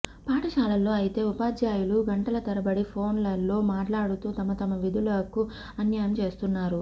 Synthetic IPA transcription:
paːʈɐʃaːlɐlːo̞ːɐjit̪e̞ːupaːd͡ʒjaːjuluɡɐɳʈɐlɐt̪ɐɾɐbɐɽipʰo̞ːnlɐlːo̞ːmaːʈlaːɽut̪uːt̪ɐmɐt̪ɐmɐʋid̪ʱulɐku | ɐnjaːjɐmt͡ʃe̞ːst̪unːaːɾu

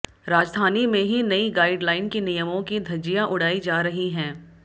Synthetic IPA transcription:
ɾaːd͡ʒd̪ʱaːnimẽɦinɐiɡaːɪɖlaːɪnkinijəmõkid̪ʱɐd͡ʒijaʔʊɽ̤aːid͡ʒaːɾɐɦiɦɛ̃ː

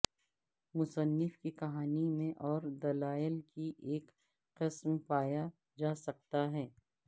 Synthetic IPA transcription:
mʊsənːɪfkikɐɦaːnimẽʔɔːɾd̪ɐlaːɪlkiʔeːk | qɪsmpaːja | d͡ʒaːsɐk̚t̪aɦɛː

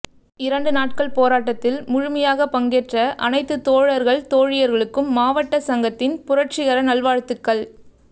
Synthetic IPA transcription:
ɪɾɐɳɖɯnaːʈ̚kɐɭpoːɾaːʈːɐt̪ːɪlmʊɻʊmɐjaːɣɐpɐŋɡɛːʈrɐʔɐ̰nɐɪt̪ːɯt̪ːoːɻɐɾɣɐɭt̪oːɻɪjɐɾɣɐɭɯkːɯmːaːʋɐʈːɐsɐŋɡɐt̪ːɪnpʊɾɐʈ̚t͡ʃɪɣɐɾɐnɐɭʋaːɻt̪ːɯkːɐɭ

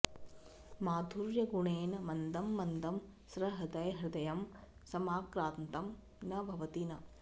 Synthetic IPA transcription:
maːd̪ʱuɾjɐɡuɳeːnɐmɐnd̪ɐmːɐnd̪ɐm | sɾɐɦɐd̪ɐjɦɾɪd̪ɐjɐm | sɐmaːkɾaːnt̪ɐm | nɐbʱɐʋɐt̪inɐ

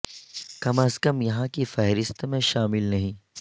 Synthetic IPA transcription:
kɐmɐskɐmjɐɦãkifɛɦɾɪst̪mẽʃaːmɪlnɐɦĩː

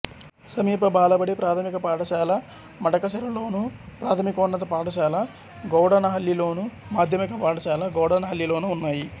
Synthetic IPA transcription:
sɐmiːpɐbaːlɐbɐɽipɾaːt̪ʰɐmikɐpaːʈɐʃaːlɐ | mɐʈɐkɐʃɐɾɐlo̞ːnupɾaːt̪ʰɐmikoːɳːɐt̪̬ɐpaːʈɐʃaːlɐ | ɡɐwɽɐnɐɦɐljilo̞ːnumaːd̪ʱjɐmikɐpaːʈɐʃaːlɐɡɔwɽɐnɐɦɐljilo̞ːnuːnːaːji

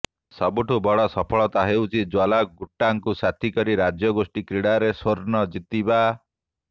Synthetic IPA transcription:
sɔbuʈʰubɔɽɔsɔpʰɔɭɔt̪aɦewt͡ʃʰid͡ʒalaɡuʈːaŋkusat̪ʰikɔɾiɾad͡ʒjɔɡosʈikɾiɽaɾesoɾnɔd͡ʒit̪iba

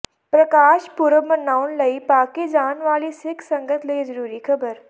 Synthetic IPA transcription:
pɾɐkaːʃpuɾʋəmɐnaːʊnlɐipaːked͡ʒaːnʋaːlisɪkʰsɐ̃ŋɡət̪ʰleːzəɾuːɾikʰɐbəɾ

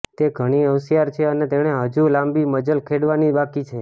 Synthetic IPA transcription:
t̪eɡʱəɽ̃iəʋsijaɾt͡ʃʰeənet̪eɽ̃eɦəd͡ʒulãmbiməd͡ʒəlkʰeɽʋanibakit͡ʃʰe

